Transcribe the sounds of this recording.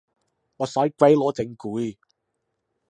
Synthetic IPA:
ŋɔː˨˧sɐ˨˥jkʷe˨˥jlɔː˨˧˥t͡sɪ˨˧˦ŋkuː˨˦j

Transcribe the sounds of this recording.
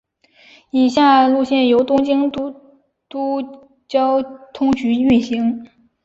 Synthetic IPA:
i˨˩ɕ̬ja˥˧lu˥˧ɕjɛ˥˩njo˧˥ʊt̪ʊ˥ŋt͡ɕi˥ŋt̪u˥ | t̪u˥ | t͡ɕjɑ˥ʊt̪ʰʊ˥ŋt͡ɕy˧˥y˥˩ɕi˧˥ŋ

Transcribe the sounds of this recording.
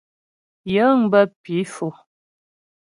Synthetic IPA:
jə˨˦ŋbə˦pi˨˦fo˨

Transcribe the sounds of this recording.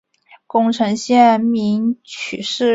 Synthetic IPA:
kʊ˥˧ŋʈ͡ʂʰɤ˧˥ŋɕjɛ˥˩nmi˧˥ŋt͡ɕʰy˨˩ʂɻ̩˥˩

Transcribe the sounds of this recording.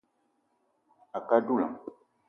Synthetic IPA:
a˨ka˦du˦la̰˨

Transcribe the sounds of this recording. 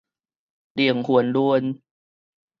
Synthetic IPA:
li˨˩əŋhu˨˩əndu˧ən

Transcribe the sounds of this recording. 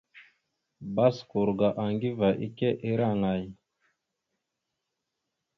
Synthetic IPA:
ba˦sku˨ɾɡa˨ʔa˨ŋɡi˦va˨ʔḭ˦ke˦ʔe˦ɾa˦˨ŋa˨j

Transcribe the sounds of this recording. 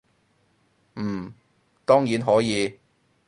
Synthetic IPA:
m̩ː˨˩ | t̪ɔː˥ŋjiː˨˥nɦɔː˨˥jiː˨˧

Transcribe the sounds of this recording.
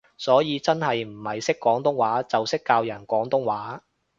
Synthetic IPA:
sɔː˨˥jiː˨˧t͡sɐ˥nhɐ˨jm̩˨˩hɐ˨jsɪ˥kːɔː˨˥ŋt̪ʊ˥ŋwaː˨˥t͡sɐ˨wsɪ˥kːaː˧wjɐ˨˩nkʷɔː˨˥ŋt̪ʊ˥ŋwaː˨˥

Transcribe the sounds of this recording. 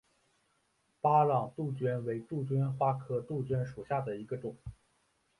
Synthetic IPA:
pa˥lɑ˨˩ŋt̪u˥˩t͡ɕɥɛ˥nwe˧˥ɪt̪u˥˩t͡ɕɥɛ˥nxwa˥kʰɤ˥t̪u˥˩t͡ɕɥɛ˥nʂu˨˩ɕja˥˩d̪ə˩i˧˥ɡə˧ʈ͡ʂʊ˨˩˦ŋ

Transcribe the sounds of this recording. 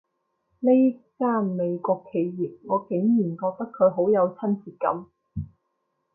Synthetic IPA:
le˥jkaː˥nme˨˧jkʷɔː˧kʰːe˨˧jjiː˨˩p̚ŋɔː˨˧ke˨˥ŋjiː˨˩nkɔː˧k̚t̪ɐ˥kʰɵ˨˧ɥɦo˨˥wjɐ˨˧wt͡sʰɐ˥nt͡siː˧˩t̚kɐ̰˨˥m

